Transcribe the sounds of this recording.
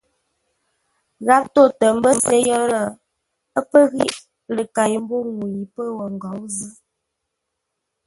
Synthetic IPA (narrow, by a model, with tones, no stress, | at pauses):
ɣa˦p̚to˦˨tə˨m̩˦bə˦m˨se˦jɔ˦ɾə˨ | ə˦pə˦ɣḭ˦ʔ | lə˨ka˨ji˨m̩˦bo˦ŋu˨ji˨pə˦wə˨ŋ˨ɡɔ˨˦wzə˦